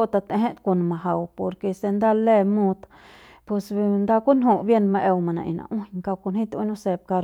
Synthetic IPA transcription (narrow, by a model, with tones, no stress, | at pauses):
o˦t̪a˧t̪ẽ˧ɦe˦t̪ko˧˨nma˨ɦa˨wpo˨ɾke˧se˧nd̪a˦le˦˧mu˧t̪ | pe˧snd̪a˦˧ku˦nɦu˧bje˧nma˧ʔe˧wma˨nã̰˨ʔḭ˨na̰˨ʔu˦ɲka˧wko˧nhi˦t̪u˦nu˧se˧b̚ka˧ɾ